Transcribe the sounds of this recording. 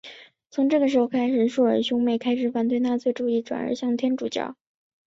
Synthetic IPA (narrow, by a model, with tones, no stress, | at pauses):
t͡sʰʊ˧˥ŋʈ͡ʂɤ˥˩ɡə˩ʂɻ̩˧˥xo˥˧ʊkʰa˥ɪʂɻ̩˨˩ʂu˥˩ə˞˨˧˥ɕjʊ˥ŋme˥˩ɪkʰa˥ɪʂɻ̩˨˩fa˨˥nt̪we˥˧ɪna˥˧t͡swe˥˧ʈ͡ʂu˥˧i˥˩ʈ͡ʂwa̰˨˩nə̰˞˧˥ɕjɑ˥˩ŋt̪ʰjɛ˥nʈ͡ʂu˨˩t͡ɕjɑ̰˥˩ʊ